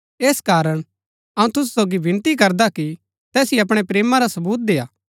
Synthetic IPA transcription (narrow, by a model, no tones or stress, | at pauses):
eːskaːɾəɽ̃ | ɐũt̪ʊs̬u̥soːɡibɪ̃nt̪ik̬ɐɾd̪aki | t̪ɛːsiɐpɽ̃epɾeːmaɾasɐbuːt̪̚d̪eːaː